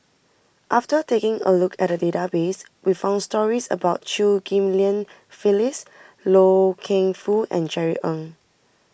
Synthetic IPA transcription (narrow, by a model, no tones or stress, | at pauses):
ʔaftətekɪ̃ŋə̰lukʰɛt̚dədetabes | wifãʊ̃ndstɔɹisə̰baʊtt͡ʃuɡĩmliə̃n | filis | lokʰẽŋfuʔɛ̰̃nd͡ʒɛɹiʔɔ̃ŋ